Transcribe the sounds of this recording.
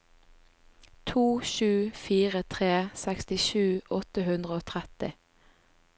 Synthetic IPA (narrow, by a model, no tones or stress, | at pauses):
t̪ʰuːʃʉːfiːʁət̪ʰʁeːsækst̪ɪʃʉːɔt̪əhʉnd̪ʁəoːt̪ʰʁɛt̪ɪ̰